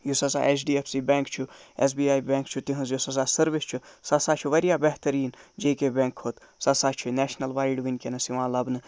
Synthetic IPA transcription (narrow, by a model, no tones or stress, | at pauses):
jusɐsa̰ʔet͡ʃɖiːefsiːbɛːŋkt͡ʃʰuḛs̬biːaːjbẽːŋkt͡ʃʰut̪iɦɐ̃nzjosɐs̬aːsɐɾʋist͡ʃʰusɐsaːt͡ʃʰuʋɐɾjaːbɛɦt̪ɐɾiːnd͡ʒeːkebẽŋkhot̪sɐsaːt͡ʃʰineːʃnɐlʋaːjiɖʋinʲkenɐsiʋãːlɐbnɨ